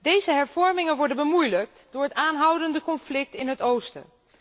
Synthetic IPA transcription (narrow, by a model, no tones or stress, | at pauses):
dejzəɦɛɹvɔɹmɪŋənʋɔɹdənbəmujlək̚td̥ʊːɹɦətaːnɦʌwdəndəkɔnflɪk̚tɪnɦətowstə̰